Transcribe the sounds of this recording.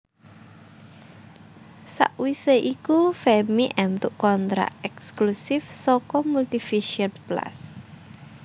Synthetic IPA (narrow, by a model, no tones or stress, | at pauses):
sa̰ʔwiseʔikufɛmiʔɛnt̪uʔkɔnt̪ɾa̰ʔɛksklusɪfsɔkɔmult̪ifiʃiənpla̰s